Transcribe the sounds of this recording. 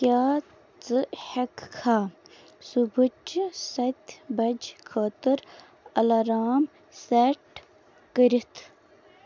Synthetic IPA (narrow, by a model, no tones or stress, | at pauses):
kʲjaː | t͡sɨhɐkkʰaː | subut͡ʃsɐt̪ʲbɐd͡ʒkʰoːt̪ɨɾ | ɐlɐɾaːm | seʈ | kəɾit̪ʰ